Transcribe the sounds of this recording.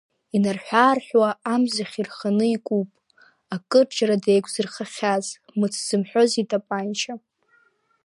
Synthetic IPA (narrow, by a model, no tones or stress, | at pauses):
inarħʷᶣaːrħʷᶣwaːmzaχʲirχanɨikʼupʼ | akʼɨrd͡ʒaɾadejkʷʰʼzɨrχaχʲaz | mɨt͡sʰz̥ɨmħʷᶣozitʼapʼant͡ʃʰa